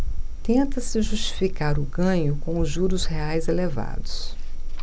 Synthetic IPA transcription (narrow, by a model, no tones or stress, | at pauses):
t̪ẽnt̪ɐsɪʒust͡ʃi̥fikaɾʊɡɐ̃ɲʊkõʊʒuɾʊsheajzeleva̰d̪ʊs